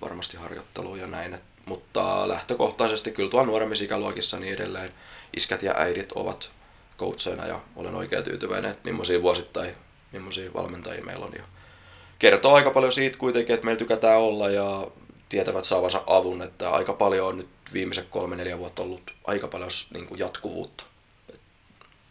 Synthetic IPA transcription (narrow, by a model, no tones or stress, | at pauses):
ʋɑ̰rmɑst̪ihɑrjo̰t̪ːḛluːjɑnæinet̪ | mut̪ːɑ̰læht̪økoht̪ɑisest̪ikylt̪uɑlnuoɾemːisikæluɑkisːɑniedḛlːeːnʔiskæt̪jɑ̰ʔæiɾit̪o̰ʋɑ̰t̪ | ko̰ut̪seinɑ̰jɑ̰olḛno̰ikḛːt̪y̰ːt̪yʋæ̰inḛnet̪mḭmːosiːʋuosit̪ːɑi | mimːosiːʋɑ̰lment̪ɑjḭːmḛilːo̰njɑ | kert̪oːɑikɑpɑljosiːt̪kuit̪eŋkiet̪meilt̪ykæt̪æːolːɑjjɑt̪iɛt̪æʋæt̪sɑːʋɑsɑ̰ʔʔɑʋunet̪ːæɑ̰ikɑpɑljoːnnyt̪ʋiːmːisekkolmeneljæʋuot̪ːɑolːut̪ʔɑ̰ikɑpɑljosnḭːŋkujɑt̪kuʋṵːt̪ːɑ̥ | et̪